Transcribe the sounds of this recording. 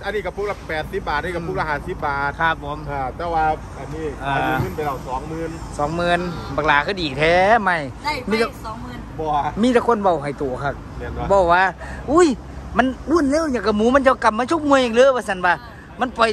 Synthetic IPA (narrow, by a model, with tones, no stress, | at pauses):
ʔa˧˨nːiː˧˩ka˧˩pʰu˧˩k̚la˧˩pɛː˨˩t̪̚siː˧˦p̚baː˨˩t̪̚niː˧ka˧˩pʰu˧˥˨la˧˩ɦaː˨˩si˧˦p̚baː˨˩aː˧˩p̚ʰu˨˦ə˦ŋː˧˩t̪ɛː˧˩waː˧ | ʔa˨˩nːiː˧˥˩ʔaː˨˩˧ɯ˧˥˨npa˨jla˧˩wsɔː˨˦ŋmɯː˧˥˨n | sɔː˨˦ŋmɯː˧˥˨nbaː˨˩k̚laː˨˦kʰa˧˩˨diː˨˩t̪ʰɛː˧ma˧˩jmː˧˨˦nbɔː˧˩aː˧miː˧˥t̪a˧˥kʰo˧˥˨nwa˧˩wɦa˨˩jt̪u˨˩kʰa˧˩k̚ːbɔː˧˩waː˧˩ʔu˧˥˨j | ma˧˥nʔu˧˥˨nlɛː˧˥˨wɲa˧˩ka˧˩muː˨˦ma˧˥˨nt͡ɕa˧˩ka˨˩mːaː˧t͡ɕʰu˧˥k̚mu˧ə˨ʔi˧˨ŋlɯː˧˥˨paː˧sa˧˩nwaː˧ | ma˧˥˨npɔ˨˩j